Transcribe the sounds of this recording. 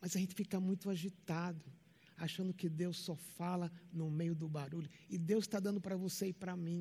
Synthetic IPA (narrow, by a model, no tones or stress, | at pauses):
mɐzɐʒẽnɪ̥fikɐmũj̃t̪ʊaʒit̪ad̪ʊ | aʃɐ̃nd̪ʊkɪd̪ewsːɔfalɐnʊmejʊd̪ʊbaɾuʎʊɪd̪ewsst̪ad̪ɐ̃nd̪ʊpɾɐvoseɪpɾɐmĩ